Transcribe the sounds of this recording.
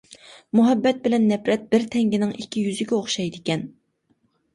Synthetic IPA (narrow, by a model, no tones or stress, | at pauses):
muɦɛbːɛt̪̚bɪlɛnːɛpɾɛt̪̚bɪɾt̪ʰɛŋɡʲinɪŋikʲʰːijyzɪɡʲɛoχʃɑjd̪ɪkʲɛn